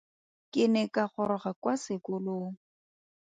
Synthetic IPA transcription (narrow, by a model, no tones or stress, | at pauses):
kɪnɛkaχʊɾɔχakwasɪkʊloː